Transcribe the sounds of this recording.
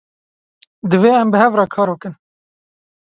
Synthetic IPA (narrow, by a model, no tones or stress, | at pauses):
d̪ɨveːɛmbɨɦɛvrɑːkʰɑːɾbɨkɨn